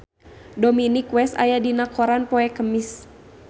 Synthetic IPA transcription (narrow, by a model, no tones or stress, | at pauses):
dɔminikwɛsa̰jadinakɔɾanpɔɛkəmis